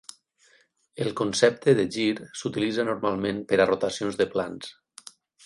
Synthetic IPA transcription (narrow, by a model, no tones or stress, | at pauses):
elˠkonsɛp̚t̪əðeʒiɾsut̪ilid͡zanoɾmalˠmẽmpəɾarot̪asionzðəplans